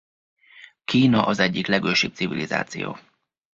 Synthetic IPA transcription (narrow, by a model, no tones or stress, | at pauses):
kiːnɒʔɒzɛɟːiklɛɡøːʃip̪̚siviliza̰ːt̪sijo̰ː